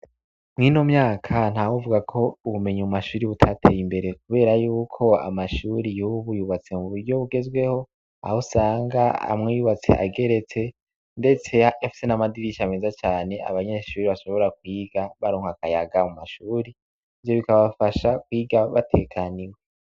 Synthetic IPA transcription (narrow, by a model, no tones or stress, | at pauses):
mŋiːno̞mɲaːkʰan̥hawuvuɡakʰo̞uβume̞ɲimumaʃuːɾiβutʰatʰeːjimbe̞ɾe̞kuβe̞ːɾajuːkʰo̞a̰maʃuɾijuβujuβat͡se̞muβuɾɟo̞βuɡe̞zɡwe̞ho̞ | a̰hosaːŋɡaa̰mŋejuβat͡se̞̰ʔa̰ɡe̞ɾe̞t͡se̞ | nde̞t͡se̞afi̥se̞namadiɾiʃameːzat͡ʃaːne̞a̰βaɲeʃuːɾiβaʃo̞βo̞ɾak̚wiːɡaβaɾoːŋhakajaɡamumaʃuːɾi | vjo̞βikaβafaʃakwiːɡaβatʰe̞kʰaniwe